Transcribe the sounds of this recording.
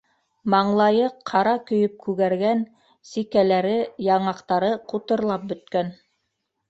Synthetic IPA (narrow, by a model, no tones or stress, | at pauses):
mɑɴlˠɑjɤqʰːɑɾɑkɵ̆jɵp̚kʉɣæɾɡæn | sikælæɾɘjɑɴɑqt̪ɑɾɤqut̪ɤ̆ɾlˠɑp̚bɵ̆t̪̚kæn